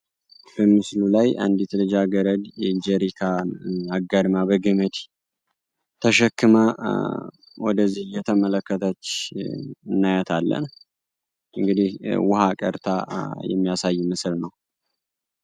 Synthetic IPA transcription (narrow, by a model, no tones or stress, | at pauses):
b̥əmɨslulaja̰nd̪it̪lɨd͡ʒaɡəɾəd̪d͡ʒɛɾikʰaaɡːad̪mabəɡɨmɨd̪ | t̪ʰəʃɛkːɨma | wɔ̰d̪əzːihjɛt̪ʰəmələkːət̪ʰət͡ʃː | ɨnːajət̪ʰalːə̰n | ʔɨŋɡɨd̪ihwʊhakʼə̰ɾt̪ʰa̰jɛ̰mːijasajːmɨsɨlnəw